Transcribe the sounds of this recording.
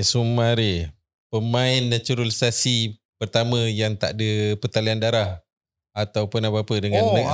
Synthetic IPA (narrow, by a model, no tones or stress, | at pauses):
sumãɾe | pəmãɪnːãt͡ʃuɾulsasipərt̪amãjaŋt̪a̰ʔdəpət̪aliandaɾah | at̪awpənapaːpədəŋãnna